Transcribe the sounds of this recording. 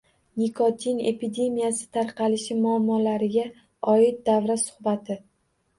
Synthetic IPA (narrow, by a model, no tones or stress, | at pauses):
nikʰot̪ʰine̞pʰid̪e̞mijasɪ̥t̪ʰaɾqɑlɪʃɪmʊamːɒlaɾɪɡʲa | ɒɪt̪̚d̪avɾasʊ̥χbat̪ʰɪ